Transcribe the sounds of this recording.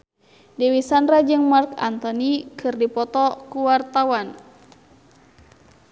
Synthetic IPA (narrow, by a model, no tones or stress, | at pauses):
diwisanɾad͡ʒɨŋmarka̰nt̪ɔnikʰɨrdipɔt̪ɔkuwart̪awan